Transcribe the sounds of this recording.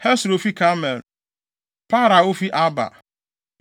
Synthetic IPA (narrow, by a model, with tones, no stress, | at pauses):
hɛ˦sɾo˨fi˦kʰa˦mɛ˨l | pa˦ɾa˨o˦fi˦ʔa˦ba̰˨